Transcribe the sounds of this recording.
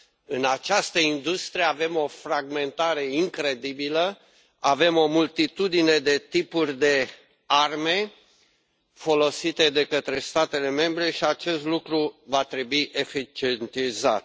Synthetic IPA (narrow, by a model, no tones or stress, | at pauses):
ɨnat͡ʃast̪əind̪ust̪ɾijeave̞mo̞fɾaɡme̞nt̪aɾe̞iŋkɾe̞d̪ibilə | ave̞mo̞mult̪it̪ud̪ine̞d̪e̞t̪ipurʲd̪e̞ | arme̞ | fo̞lo̞sit̪e̞d̪e̞kət̪ɾe̞st̪at̪e̞le̞me̞mbɾe̞ʃiat͡ʃe̞st̪lukɾuvat̪ɾe̞buiʔe̞fit͡ʃient̪iza̰t̪